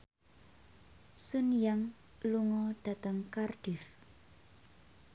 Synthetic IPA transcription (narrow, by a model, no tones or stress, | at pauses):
sunjaŋ | luŋɔɖ̥ä̤t̪əŋkarɖ̥ɪf